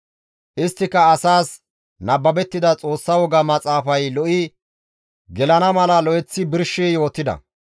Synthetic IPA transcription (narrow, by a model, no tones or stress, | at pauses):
ʔɪst̪ːɪkːɐːsaːs | nɐbːɐbɛt̪ːɪd̪ɐt͡sʼo̞ːsːɐwɔɡɐmɐt͡sʼaːfɐjlɔʔɪ | ɡɛlɐnɐmɐlɐlɔʔɛt͡sːɪbɪɾʃːijo̞ːt̪ːɪd̪ɐ̰